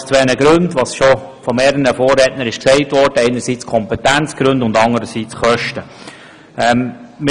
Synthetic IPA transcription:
st͡sʋɛːnəɡɾʉndʋɑːsʃɔ | fɔmeːɾənəfoːrɛtnəɾɪʃksɛɪtʋɔrd̥əɛɪnəɾsiːt͡skʰɔmpɛtænt͡sɡ̥ɾʉndʊndɑŋdəɾəsiːt͡sχœʃtə | ɛmm

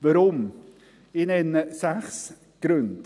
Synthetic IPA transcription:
vəɾʊm | ɪnɛnəsaxs | ɡ̥ɾʉnd̥

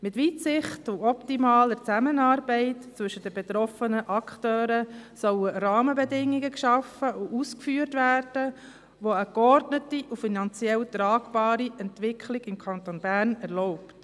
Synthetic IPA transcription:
mɪtʋiːtsɪχtuɔptimɑːləɾt͡sæmənɑːɾbɛɪtt͡sʋʏʃəd̥əbɛt̪ɾɔfənəʔɑkχtøːɾəsœwərɑːməbɛdɪŋːiɡəkʃɑfəʔʊʔuskfyːəɾtʋæːrd̥ə | ʋoəkɔɾdnətiʔufinɑnt͡sjɛlt̪ɾɑːɡb̥ɑːɾiʔɛntʋɪkʰlɪɡɪmkʰɑnt̪ɔnbærnɛɾlɔʊpt

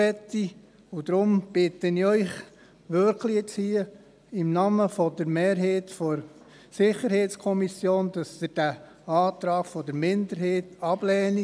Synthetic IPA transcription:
ɛt̪ːi | ʊd̥̪ɾʊmb̥ɪt̪əniœʏχ | ʋøɾklit͡shiə | ɪmnɑməfɔdəɾmeːɾɦeːtfɔɾ | sɪχəɾheːtskʰɔmisjoːnd̥ɑsəd̥æ | ɑːt̪ɾɑːɡ̥fɔd̥̪əɾmɪndəɾɦeːtɑb̥lɛːni

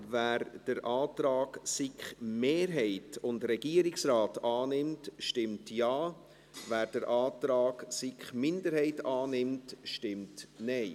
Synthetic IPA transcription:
væːɾd̥əɾʔaːtɾɑːksɪkχmeːɾɦɛɪtʊndɾɛɡiːəɾɪksraːtɑːnɪmtʃtɪmtjɑː | væːɾd̥əɾʔɑːtɾaɑːɡsɪkχmɪndəɾhɛɪtɑːnɪmtʃtɪmtnɛɪ

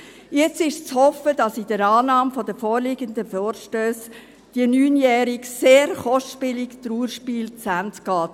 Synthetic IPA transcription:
jɛt͡stɪʃt͡shɔfəd̥ɑsɪd̥əɾɑːnɑːmfɔdəfɔːɾlɪɡənd̪əfɔːɾʃtøːs | d̥iənyːnjɛːɾikseːɾχɔʃpɪlɪktɾuːɾʃpiːlt͡sæntɡ̥ɑːt

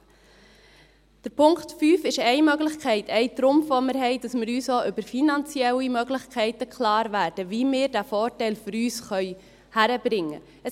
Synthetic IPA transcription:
d̥əɾpʰʊŋktfyːfɪʃɛɪmœɡlɪχkʰɛɪtʰɛɪtɾʊmfʋomɪɾɦɛɪd̥ɑsmɪɾyːsoʔʏbəɾfinɑnt͡siɛlimœɡlɪχkχɛɪtəkʰχlɑːɾvæːɾd̥əviːmɪːɾdæfɔːɾtɛɪlføɾyːsχœʏ | hæɾəbɾɪŋːə̰ | ə

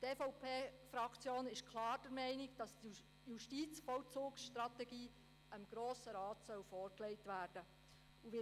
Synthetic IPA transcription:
tefɔʊpʰeːfɾɑkt͡sjoːnɪʃkʰlɑːɾd̥əɾmɛɪnɪɡd̥ɑst | juʃtiːt͡sfɔwt͡suːksʃtɾɑt̪ɛɡiː | əmɡ̥ɾoːsəɾɑːtsœwfɔːɾklɛɪtʋæːrd̥ə | uʋɪ

